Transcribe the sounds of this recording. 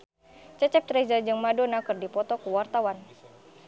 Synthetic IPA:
t͡ʃət͡ʃɛp̚t̪ɾɛzərd͡ʒɨŋmadonakɨrdipɔt̪ɔkuwart̪awan

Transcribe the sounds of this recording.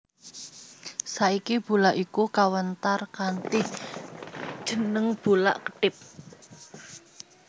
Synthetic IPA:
saikib̥ṳlaʔikukawənt̪arkant̪ɪh | d̥ʒ̥ə̤nəŋb̥ṳla̰ʔkə̥ʈɪp̚

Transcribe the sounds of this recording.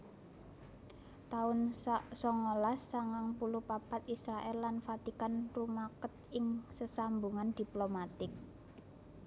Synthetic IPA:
t̪aʊnsɔŋolasːaŋaŋpulupapat̪isɾaʔɛlːanfat̪ikanrumakət̪̚ɪŋsəsambuŋand̪̥i̤plomat̪ɪk̚

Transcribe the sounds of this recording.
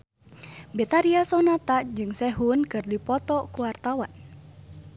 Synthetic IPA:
bet̪aɾiasɔnat̪ad͡ʒɨŋsɛɦunkɨrdipɔt̪ɔkuwart̪awan

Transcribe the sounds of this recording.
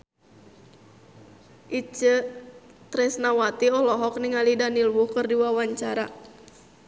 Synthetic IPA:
ʔit͡ʃə | t̪ɾɛsnawat̪iɔlɔɦɔk̚niŋalidanilwukɨrdiwawaɲt͡ʃaɾa

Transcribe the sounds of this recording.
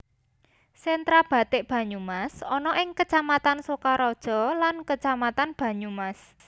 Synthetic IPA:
sɛnt̪ɾab̥ä̤t̪ɪʔb̥ä̤ɲumasɔnɔʔɪŋkət͡ʃamat̪ansokaɾɔd̥ʒ̥ɔ̤lankət͡ʃamat̪anb̥a̤ɲumas

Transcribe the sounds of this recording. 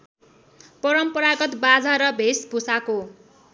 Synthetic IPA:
pʌɾʌmpʌɾaɡʌt̪bad͡zaɾʌbʱesbʱusako

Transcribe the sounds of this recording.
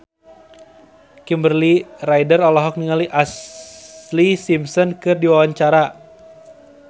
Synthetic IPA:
kimbərliraidərɔlɔɦɔk̚niŋaliʔas | lisimsɔnkɨrdiwawaɲt͡ʃaɾa

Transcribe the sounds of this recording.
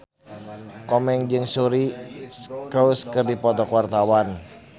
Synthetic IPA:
kɔmɛŋd͡ʒɨŋsuɾi | kɾowskɨrdipɔt̪ɔkwart̪awan

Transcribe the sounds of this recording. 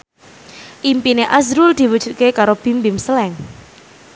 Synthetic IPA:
ʔimpineʔazɾuld̪̥i̤wəd̥ʒ̥ṳt̪̚kekaɾob̥i̤mbimsəlɛŋ

